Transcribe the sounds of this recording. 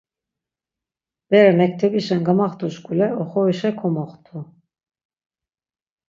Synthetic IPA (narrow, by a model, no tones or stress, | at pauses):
b̥ɛɾɛmɛk̚t̪ʰɛbiʃɛnɡamaχt̪ʰuʃɡulɛɔχɔiʃɛkʰɔmɔχt̪ʰu